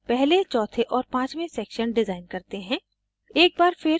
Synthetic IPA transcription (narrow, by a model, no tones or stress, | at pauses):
pɛɦlet͡ʃɔːt̪ʰeʔɔːɾpãːt͡ʃmẽsɛːkʃənɖɪzaːɪnkɐɾt̪eɦɛ̃ː | eːk̚baːɾfɪɾ